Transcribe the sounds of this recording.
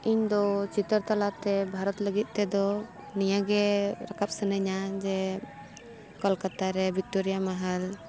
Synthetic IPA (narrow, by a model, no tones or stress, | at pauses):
iɲd̪ɔt͡ʃit̪əɾt̪alat̪ɛbʱaɾɔt̪ləɡit̪̚ˀt̪ɛd̪ɔ | nijaɡɛɾakap̚sənəɲad͡ʒɛ | kɔlkat̪aɾɛbʱik̚ʈɔɾijamaɦəl